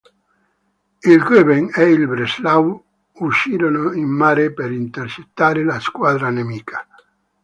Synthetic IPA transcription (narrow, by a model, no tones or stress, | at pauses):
ilɡøβeŋɛilbɾeslaw | uʃiɾonoimːaɾepeɾint̪eɾt͡ʃet̪ːaɾelaskwad̪ɾanemiːkʰḁ